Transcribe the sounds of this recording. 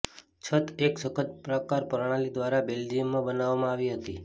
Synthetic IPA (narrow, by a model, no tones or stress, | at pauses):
t͡ʃʰət̪ʰeksəkʰət̪̚pɾəkaɾpəɾɳ̃alid̪ʋaɾabeld͡ʒiəmːãbənaʋːamãaʋiɦət̪i